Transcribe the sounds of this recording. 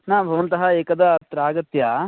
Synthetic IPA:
naːbʱɐʋɐnt̪ɐɦɐeːkɐd̪ɐːt̪ɾaːɡɐt̪jɐ

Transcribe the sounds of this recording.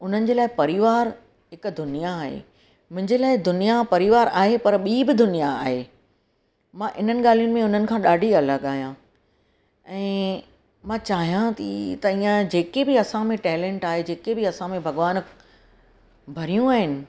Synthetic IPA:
ʊn̤ənɪ̆d͡ʑeːlaːɪpɐɾɪʋaːɾ | ɦɪkd̪ʊnijaːɦḛ | mʊ̃ɦɪ̃ɲd͡ʑeːlaːɪd̪ʊnijapɐɾiʋaːɾa̰ːɦepɐɾɓiːbɪd̪ʊnijaaːɦeː | mãːʔɪn̤ənɪ̆ɠaːl̤ijʊnɪ̆mẽʊn̤ənɪ̆kʰãːɗaːɖʱiɐləɡaːɦjã | ɛ̃ː | mãːt͡ɕaːɦijãt̪it̪ɐiːãd͡ʑeːkebɪɐsãmẽʈɛːlẽːɳʈaːɦed͡ʑeːkebɪɐsãmẽbʱɐɡʋaːn | bʱɐɾijũaːɦɪnɪ̆

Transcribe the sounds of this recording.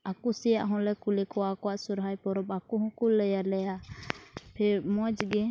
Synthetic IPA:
akusɛjaʔɦɔ̃lɛkulɛkɔwakɔwaʔsuɾɦajpɔɾɔpakuɦɔ̃kulːɛjalɛja | pʰɛɾmɔd͡ʒɡɛ

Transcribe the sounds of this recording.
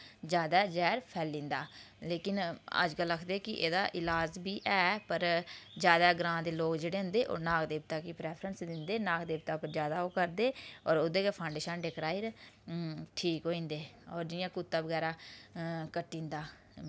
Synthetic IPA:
d͡ʒjaːd̪aːd͡ʒɛːɾpʰɛːlːĩːnd̪aː | leːkɪnə̰d͡ʒkəlːəkʰd̪eːkɪʔḛːd̪a̰ːʔɪlaːd͡ʒbiːʔɛːpəɾd͡ʒjaːd̪aːɡɾãːd̪eːloːkd͡ʒeːɽeːɦʊ̃nd̪eːʔo̰ːnaːkd̪eːb̚t̪aːkipɾɛːpʰɾənsd̪ɪnd̪eːnaːkd̪eːb̚t̪aːpəɾd͡ʒjaːd̪aːoːkəɾd̪eːɔːɾod̪eːkepʰaːʊɳɖeːʃənɖekɾaːɪɾ | ʈʰiːkɦoːĩːnd̪eːɔːɾd͡ʒɪjãːkʊt̪ːãːbəɡɛːɾaː | kəʈːĩːnd̪aː

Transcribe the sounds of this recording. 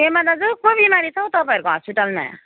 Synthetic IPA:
emad̪ad͡zokobimaɾit͡sʰʌwt̪ʌpaeɾkoɦɔspiʈalmã̰

